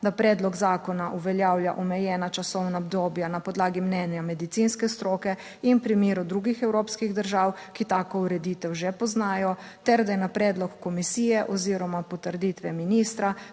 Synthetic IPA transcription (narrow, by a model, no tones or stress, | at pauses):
d̪apɾɛːd̪lɔɡzaːkɔnaʔuʋɛljaːwljaʔɔmɛjɛnat͡ʃasɔwnaɔbd̪oːbjanapɔd̪laːɡimnɛnjamɛd̪it̪sinskɛst̪ɾoːkɛ | inpɾimiːɾud̪ɾuɡixɛwɾoːpskiɣd̪əɾʒaːwkit̪aːkɔuɾɛd̪it̪ɛwʒɛpɔznaːjɔ | t̪ɛɾd̪ajɛnapɾɛːd̪lɔkːɔmisiːjɛʔɔziːɾɔmapɔt̪əɾd̪it̪ʋɛminiːst̪ɾa